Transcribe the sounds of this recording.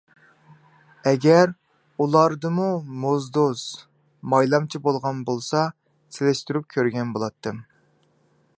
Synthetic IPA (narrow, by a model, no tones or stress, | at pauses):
ɛɡʲɛɾ | ulˠɑɾd̪ɨmumozd̪os | mɑjlˠɑmt͡ʃʰibolˠʁɑnbolˠsɑ | selɪʃt̪yɾyp̚kʲʰøɾɡʲɛnbolˠɑt̪ʰːɨm